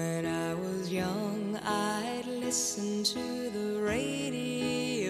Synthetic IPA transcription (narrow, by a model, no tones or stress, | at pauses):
ɨ̃ɾaɪwʌzjʌ̃ŋ | aɪdˡlɪs | ɨ̃ntʰɨ | ðə | ɹeɪɾi | o